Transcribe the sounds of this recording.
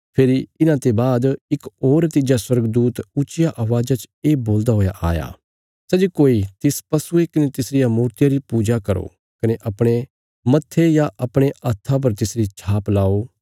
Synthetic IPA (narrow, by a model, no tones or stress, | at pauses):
pʰeːɾiɪnãt̪ebaːd̪ɪkoːɾnət̪iːd͡ʒaswɐɾɡd̪uːt̪ʊt͡ʃɪjaʔɐʋaːd͡ʒat͡ʃ | eːboːld̪aɦoːja̰ʔa̰ːja̰ː | sɛd͡ʒikoːit̪ɪspɐsuekɐnet̪ɪsɾɪjamuːɾt̪ɪjaɾipuːd͡ʒakɐɾo̰ | kɐneʔɐpɽ̃e | mɐt̪ʰːejaʔɐpɽ̃eɐt̪ʰːap̬ɐɾt̪ɪsɾit͡ʃʰaːplaːo